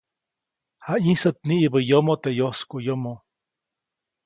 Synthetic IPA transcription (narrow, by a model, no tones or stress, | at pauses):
haĩsət̪̚niʔibəjomot̪ejoskojomo